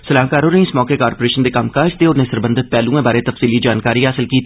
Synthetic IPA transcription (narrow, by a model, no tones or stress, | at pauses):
səlaːɦkaːɾɦoɾĩɪsmɔːkekaːɾpoːɾeːʃənd̪ekaːmkaːd͡ʒd̪eɔːɾnesəɾbə̃nd̪ʱɪt̪̚pɛːlũẽbaːɾet̪ɐfsiːlid͡ʒaːnkaːɾiɦaːsɪlkiː